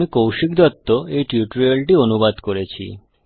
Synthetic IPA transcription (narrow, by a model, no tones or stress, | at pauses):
ikowʃik̚d̪ɔt̪ːoejʈiuʈɾelʈionubad̪koɾet͡ɕʰḭ